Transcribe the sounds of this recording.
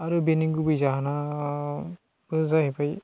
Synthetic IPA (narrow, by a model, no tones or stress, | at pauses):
aɾɯbeniŋɡubɯjzaɦana | bɯzaɦebʰaj